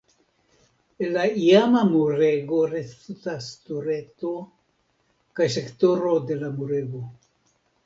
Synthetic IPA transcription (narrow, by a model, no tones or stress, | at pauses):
elaiamamuɾeɡo̞ɾesutastuɾe̞to | kajse̞kto̞ɾo̞de̞lamuɾe̞ɡo̞